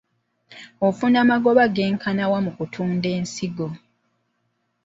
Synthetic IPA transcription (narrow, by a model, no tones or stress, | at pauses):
ofunaːmaɡo̞βaɡeːŋkʰanawamukutʰuːnde̞ːnsiɡo̞